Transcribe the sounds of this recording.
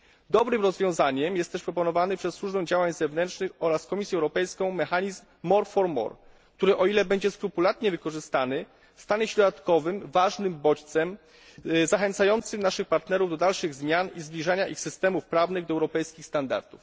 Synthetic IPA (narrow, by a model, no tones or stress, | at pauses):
d̪ɔbɾɘmɾɔzvʲjɔ̃w̃zaɲɛmjɛst̪ːɛʂpɾɔpɔnɔvanɘpʂɛsːwuʐbɛw̃d͡ʑawaɲzɛvnɛntʂnɘxɔɾaskɔmʲisʲjɛwɾɔpɛjskɔ̃w̃mɛxaɲizmːɔɾfɔɾmɔ̰ɾ | kt̪uɾɘʔɔilɛbɛɲd͡ʑɛskɾupulat̪ɲɛvɘkɔʐɘst̪anɘ | st̪aɲɛɕɛd̪ɔd̪at̪kɔvɘmvaʐnɘmbɔt͡ɕt̪sɛm | zaxɛnt̪sajɔnt̪sɘmnaʂɘxpaɾt̪nɛɾuvd̪ɔd̪alʂɘɣzmʲjanizblʲiʐaɲaʔixsɘst̪ɛmufpɾavnɘɣd̪ɔɛwɾɔpɛjskʲixst̪and̪a̰ɾd̪uf